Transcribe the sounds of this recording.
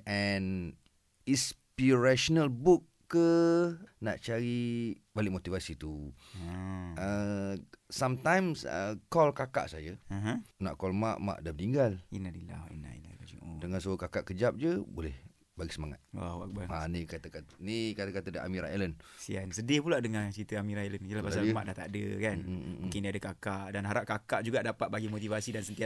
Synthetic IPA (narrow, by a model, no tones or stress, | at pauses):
ʔɛn | ispiɾaʃonalbukːə | na̰ʔt͡ʃaɾi | balɪʔmot̪ivasit̪u | ʔə | sãmt̪ãjmsə̰kɔlkaka̰ʔsajaɦnaʔkɔlma̰ʔma̰ʔdamt̪iŋɡalinadila̰hḭna̰ʔḭnalad͡ʒuodəŋans̬ukakaʔkəd͡ʒap̚d͡ʒəbolɛh | baɡisəmaŋa̰t̪̚wa̰wa̰k̚baanikat̪akat̪nikat̪akat̪ədaʔa̰mĩɾaelənsiansədipulaʔdəŋãt͡ʃɾit̪əamiɾaelənjəlahpassalma̰ʔdaht̪a̰dəkanũŋkɪndiadəkakaʔdanɦaɾaʔ̚kakaʔd͡ʒuɡaʔdapat̪̚baɡimot̪̬ivasidansənt̪ia